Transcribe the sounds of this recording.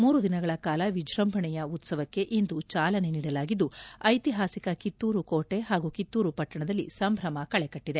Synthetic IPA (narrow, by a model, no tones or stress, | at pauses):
muːɾud̪inɐɡɐɭɐkaːlɐʋid͡ʒʱɾɐmbʱɐɳɛjɐut̪sɐʋɐkːe̞ʔind̪ut͡ʃaːlɐne̞niːɽɐlaːɡid̪ːuɐjt̪iɦaːsikɐkit̪ːuːɾukoːʈe̞ɦaːɡukit̪ːuːɾupɐʈːɐɳɐd̪ɐlːḭsɐmbʱɾɐmɐkɐɭekɐʈːid̪e̞